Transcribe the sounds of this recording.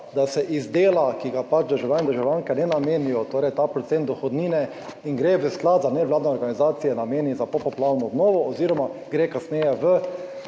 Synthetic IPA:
d̪asɛʔizd̪eːlakiɡapat͡ʃd̪əɾʒawlʲaːnɛd̪əɾʒawlʲjaŋkɛnɛnameːnijɔt̪oːɾɛjt̪aːpɾɔt̪sent̪ɔxɔd̪niːnɛ | iŋɡɾeʋəsklad̪zanɛʋlaːd̪nɛɔɾɡanizaːt̪sijɛnameːnizapɔpɔplaːɾnɔːd̪nɔːʋɔɔziːɾɔmaɡɾeːkasnɛːjɛʋə

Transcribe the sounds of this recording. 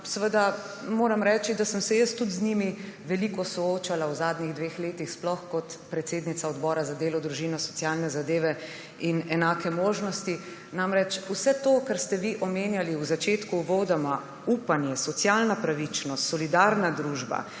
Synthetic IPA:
sʋəd̪a | moːɾamɾɛːt͡ʃid̪asəmsɛjəst̪ːut̪zniːmiʋɛlikɔsɔoːt͡ʃalawzaːd̪niɣd̪ʋeːxleːt̪ixsplɔxkɔt̪pɾɛt̪seːd̪nit̪saɔd̪bɔːɾazad̪eːlɔd̪ɾuʒiːnɔsɔ̥t̪sjaːlnɛzad̪eːʋɛ | inɛnaːkɛmoːʒnɔst̪i | namɾɛt͡ʃusɛt̪okaɾst̪ɛʋiʔɔmeːnjaliwzat͡ʃeːt̪kuːʋoːd̪ama | uːpanjɛsɔt̪sjalnapɾaʋit͡ʃnɔst̪sɔlid̪aːɾnad̪ɾuʒba̰

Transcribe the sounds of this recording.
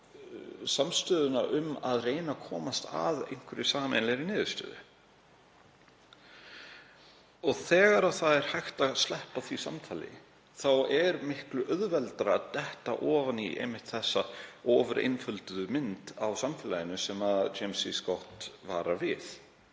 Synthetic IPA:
samst̪œːðʏnaʔʏmaðreːjnakʰɔːmast̪a̰ðḛjŋ̥kvʏɾɪsaːmɛnlɛɾinɪːðʏɾst̪œ̰ːðʏ̰ | ɔɣθɛːɣaɾaθaðɛɾ̥hajxt̪astlɛhpaθvisa̰mt̪ʰaːlɪ̰ | θawɛɾmɪhklʏʔœðvɛlt̪ɾaːt̪ɛht̪a̰ʔɔːvaniḛjmɪht̪θɛsːaɔːvʏɾʔɪ̰nfʏlt̪ʏðʏmɪnt̪awsamfɪːlajɪnʏsɛmat͡ʃejmsiskɔht̪va̰ːɾavɪθ

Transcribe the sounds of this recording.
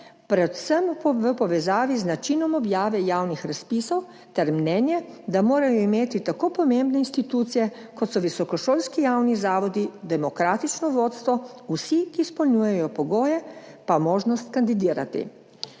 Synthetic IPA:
pɾɛt̪səmʋəpɔʋɛzaːʋiznat͡ʃinɔmɔbjaːʋɛjaːwnixɾaspiːsɔw | t̪ɛɾmnɛːnjɛd̪amoːɾajɔimeːt̪it̪akoːpɔmembnɛinst̪it̪ut̪sijɛ | kɔt̪sɔʋisɔkɔʃoːlskijawnizaːʋɔd̪id̪ɛmɔkɾaːt̪it͡ʃnɔʋoːt̪st̪ʋɔusikiːspɔlnʲujɛjɔpɔɡoːjɛpamoːʒnɔst̪kand̪id̪iːɾa̰t̪ḭ

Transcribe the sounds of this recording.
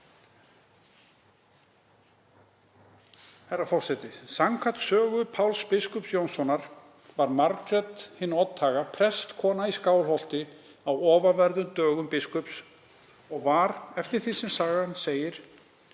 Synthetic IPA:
hɛjrːafɔr̥sɛt̪ɪsaŋkʰat̪sœːɣʏpʰawlspɪskʏpsjownsɔnaɾ̥ | vaɾmaɾkɾɛt̪hɪnːɔt̪ʰːaːɣapʰɾɛst̪kʰɔːnaiskaːwlɦɔl̥t̪ɪ | awɔːvavɛɾðʏmt̪œːɣʏmpɪskʏps | ɔɣvaɾɛft̪ɪɾ̥θi̥sɛmsaːɣanːseːjɪɾ̥

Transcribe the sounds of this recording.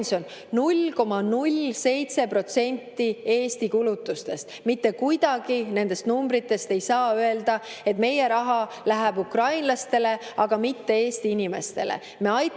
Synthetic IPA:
nso̞n | nulko̞mɑnulʲse̞jt̪se̞pro̞t̪se̞nʲt̪ːie̞ːst̪ikulut̪ːˑust̪e̞st̪mit̪ːe̞kujd̪̥ɑɡ̥ine̞nd̪e̞st̪numbɾit̪ːˑe̞st̪e̞jsɑːøe̞ld̪̥ɑe̞t̪ːme̞je̞ɾɑɦɑ | læɦæb̥ukrɑjnlɑst̪e̞le̞ɑɡ̥ɑmit̪ːe̞e̞ːst̪iinʲime̞st̪e̞̰lḛ | me̞ɑj

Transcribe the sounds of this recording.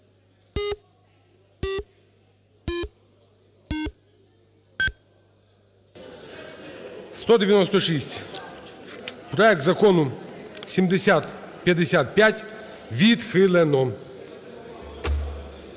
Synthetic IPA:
st̪ɔd̪ʲɪʋʲjɐnɔst̪ɔʃisʲtʲ | pɾɔɛk̚t̪zɐkɔnʊsʲimd̪esʲat̪ | pʲjɐd̪esʲat̪̚pʲjatʲ | ʋʲid̪xɪlˠɛnɔm

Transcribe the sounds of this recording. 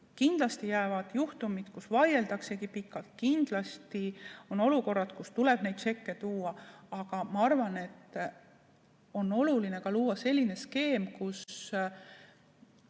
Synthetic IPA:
kind̪̥lɑst̪ijæːvɑd̪̥juht̪umid̪̥kusvɑje̞ld̪ɑkse̞kipikːˑɑlt̪̚kind̪̥lɑst̪io̞no̞luko̞rːɑt̪kust̪ulɛb̥ne̞jd̪̥se̞kːe̞t̪uːɑɑɡ̥ɑmɑɑrvɑne̞t̪ː | o̞no̞luline̞kɑluːɑse̞lʲːine̞ske̞ːmkus

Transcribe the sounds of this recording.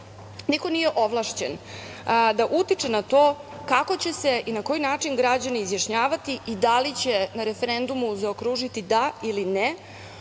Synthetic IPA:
niko̞nije̞ʔoʋlˠaʃt͡ɕen | d̪aʔut̪it͡ʂenat̪o̞ː | kako̞t͡ɕe̞se̞ʔinako̞jinaːt͡ʂinɡɾad͡ʑaniːzjaʃɲaːʋat̪iʔid̪alit͡ɕe̞naɾefeɾe̞nd̪umuzaokɾuʒit̪id̪ailine

